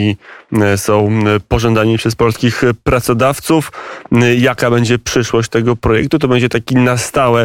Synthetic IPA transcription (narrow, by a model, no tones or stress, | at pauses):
isɔ̃w̃pɔʐɔnd̪aɲipʂɛspɔlskʲixpɾat̪sɔd̪aft̪suf | jakabɛɲd͡ʑɛpʂɘʂwɔɕt͡ɕt̪ɛɡɔpɾɔjɛk̚t̪ut̪ɔbɛɲd͡ʑɛt̪akʲinast̪awɛ